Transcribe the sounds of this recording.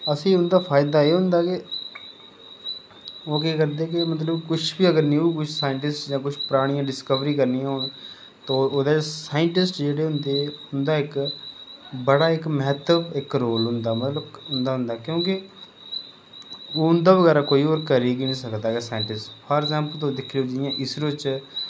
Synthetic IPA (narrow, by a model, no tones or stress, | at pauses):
əsĩːʊnd̪aːpʰaːɪd̪aːeːɦʊ̃nd̪aːkɪ | oːkeːkəɾd̪eːk̬ɪmət̪̬ləbkʊt͡ʃʰbiːəɡəɾniukʊt͡ʃʰsaːɪɳʈɪsʈd͡ʒãːkʊt͡ʃʰpəɾaːɽ̃ijãːɖɪskəʋɾiːkəɾnijãːɦʊːn | t̪ooːd̪esaːɪɳʈɪsʈd͡ʒeːɽeːɦʊnd̪eːʊnd̪aːɪk | bəɽaːɪkməɦt̪əbɪkɾoːlɦʊnd̪aːmət̪ləbɦʊnd̪aːɦʊ̃nd̪aːkjõːkɪ | oːʊnd̪aːʋəɣɛːɾaːkoːiːɔːɾkəɾeːɡinĩːsəkd̪aːɡɛːsaːɪ̃ɳʈɪsʈpʰɔːɾɛɡzãːmpəlt̪̬õːd̪ɪkʰːeoːd͡ʒɪɪjãːʔɪsɾt͡ʃ